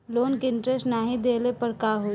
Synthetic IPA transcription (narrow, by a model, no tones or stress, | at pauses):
loːnkeɪ̃ɳʈɾɛsʈnaːɦid̪eːlepɐɾkaːɦui